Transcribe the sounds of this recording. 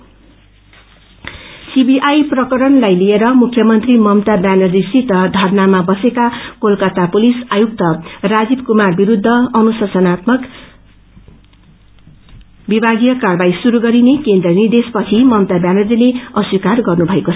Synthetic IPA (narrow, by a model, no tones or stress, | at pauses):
sibiʔajprʌkʌɾʌnlajlieɾʌmukʰːjʌmʌnt̪rimʌmt̪abjanʌd͡zisit̪ʌd̪ʱʌrnamabʌsekakolkʌt̪apulisajuk̚t̪ʌrad͡zib̚kumarbiɾud̪ʱːʌʌnusʌsʌnat̪mʌk | bibʱaɡijʌkarbajsuɾuɡʌɾinekend̪rʌnird̪espʌt͡sʰimʌmt̪abjanʌd͡zileʌswikarɡʌrnubʱʌekot͡sʰʌ